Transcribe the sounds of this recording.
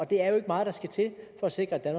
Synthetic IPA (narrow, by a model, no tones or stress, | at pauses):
ɒ̽d̥e̝æɐjo̝e̝ɡ̥əmɑ̈ːð̩ˠd̥ɑ̈sɡ̥æt͡sʰe̝lfɒ̽æse̝ɡ̥ʁɐæd̥ænmɑ